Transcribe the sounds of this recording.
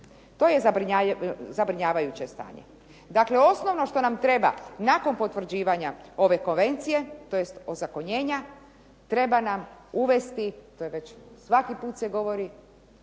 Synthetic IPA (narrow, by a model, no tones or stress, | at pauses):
t̪o̞jezabɾiɲazabɾiɲaːʋajut͡ɕest̪a̰ːɲḛ | d̪akle̞o̞sno̞ʋnoʃt̪o̞namt̪ɾe̞ba̰nako̞npo̞t̪ʋɾ̩d͡ʑiːʋaɲao̞ʋe̞ko̞nʋe̞nt̪sije̞t̪o̞je̞st̪ozako̞ɲe̞ːɲa | t̪ɾe̞banamuʋe̞st̪it̪ojeʋe̞t͡ɕsʋakipuːt̪seɡo̞ʋo̞ɾi